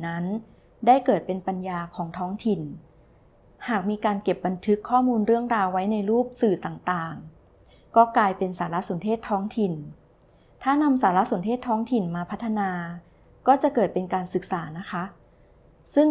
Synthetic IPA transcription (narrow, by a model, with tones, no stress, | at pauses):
na˦˥n | daː˥˩jkɤː˨˩t̪̚pe˧npa˧njaː˧kʰɔː˩˦ŋt̪ʰɔː˦˥ŋt̪ʰi˨˩n | haː˨˩k̚miː˧kaː˧nke˨˩p̚ba˧nt̪ʰɯ˦˥kʰːɔː˥˩muː˧nɾɯ˥˩əŋɾaː˧wːa˦˥jna˧jɾuː˥˩p̚sɯː˨˩t̪aː˨˩ŋt̪aː˨˩ŋ | kɔː˥˩klaː˧jpe˧nsaː˩˦la˦˥ʔso˩˦nt̪ʰeː˥˩t̪ʰːɔː˦˥ŋt̪ʰi˨˩n | t̪ʰaː˥˩na˧msaː˩˦la˦˥so˨˩˦nt̪ʰeː˥˩t̪ʰːɔː˦˥ŋt̪ʰi˨˩nmaː˧pʰa˦˥t̪ʰːa˧naː˧ | kɔː˥˩t͡ɕa˨˩kɤː˨˩t̪̚pe˧nkaː˧nsɯ˨˩k̚saː˩˦na˦˥kʰa˦˥ʔ | sɯ˥˩ŋ